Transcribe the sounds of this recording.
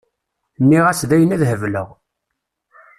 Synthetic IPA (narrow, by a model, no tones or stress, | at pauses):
nːiʁæsðæjənæðhəvlə̰ʁ